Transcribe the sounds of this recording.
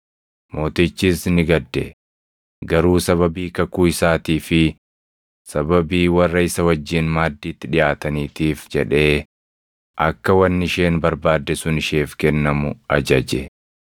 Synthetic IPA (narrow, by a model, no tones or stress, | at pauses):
mo̞ːt̪ɪt͡ʃːiːsnɪɡɐd̪ːɛ̰ | ɡɐɾuːsɐβɐbiːkɐkuːɪsaːt̪iːfɪ | sɐbɐbiːwɐrːɐɪsɐwɐd͡ʒːɪnmaːd̪ːiːt̪ːɪᶑɪjaːt̪ɐniːt̪iːfd͡ʒɛᶑe̞ː | ʔɐkːɐwɐnːɪʃe̞ːnbɐɾbaːd̪ːɛsʊnɪʃeːfkɛnːɐmʊɐd͡ʒɐd͡ʒɛ